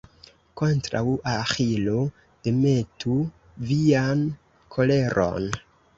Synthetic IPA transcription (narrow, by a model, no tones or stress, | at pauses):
ko̞ntɾa̰wʔaxilo | d̥eme̞tu | vian | kʰo̞le̞ɾʔo̞̰n